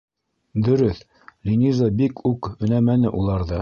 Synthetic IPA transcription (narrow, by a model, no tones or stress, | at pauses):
d̪ɵ̆ɾɵθ | lʲinʲizobikʉkɵ̆næmænɘʔulˠɑɾðɤ